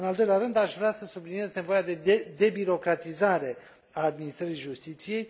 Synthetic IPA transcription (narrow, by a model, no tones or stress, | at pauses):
ɨnald̪o̞jleaɾɨnd̪aʃvɾʲeasəsublinije̞zne̞vo̞jad̪e̞ed̪e̞biɾo̞kɾat̪izaɾe̞ | aːd̪minist̪ɾəɾijʒust̪it̪sije̞j